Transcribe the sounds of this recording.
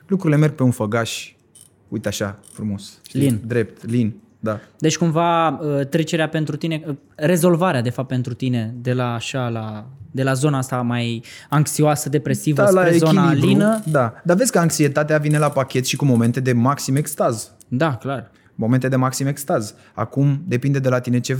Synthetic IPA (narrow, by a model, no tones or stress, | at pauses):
lukɾuɾile̞me̞rɡ̚peunfəɡaʃʲ | ujt̪eaʃafɾumo̞sʃtlind̪ɾe̞p̚t̪lin | d̪ad̪et͡ʃʲkumvaət̪ɾe̞t͡ʃe̞ɾeape̞nt̪ɾut̪ine̞ | re̞zo̞lvaɾead̪e̞fap̚t̪̚ːpe̞nt̪ɾut̪ine̞d̪e̞laːʃalad̪e̞lazo̞nast̪amaj | aŋksioasəd̪e̞pɾe̞sivalaeezonilailinəd̪ad̪ave̞sʲkəaŋksie̞t̪at̪eavine̞lapakʲe̞t̪ʃikumo̞me̞nt̪ed̪e̞maksimekst̪az | d̪aklar | mo̞ment̪ed̪e̞maksimekst̪az | a̰kumd̪e̞pind̪e̞d̪e̞lat̪ine̞t͡ʃe̞